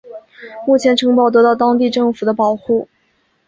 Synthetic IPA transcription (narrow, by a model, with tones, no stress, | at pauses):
mu˥˩t͡ɕʰjɛ˧˥nʈ͡ʂʰɤ˧˥ŋpɑ˥˩ʊt̪̬ɤ˧˥t̪ɑ˥˩ʊt̪ɑ˥ŋt̪i˥˧ʈ͡ʂɤ˥˩ŋfu˨˩d̪ə˦pɑ˨˩ʊxu˥˩